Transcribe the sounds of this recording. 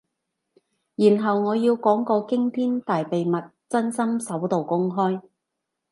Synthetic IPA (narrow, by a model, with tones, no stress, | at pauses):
jiː˨˩nɦɐ˨wŋɔː˨˧jiː˧wkɔː˨˥ŋkɔː˧kɪ˥ŋt̪ʰiː˥nt̪aː˨jpe˨jmɐ˨t̚t͡sɐ˥nsɐ˥msɐ˨˥wt̪o˨wkʊ˥ŋɦɔː˥j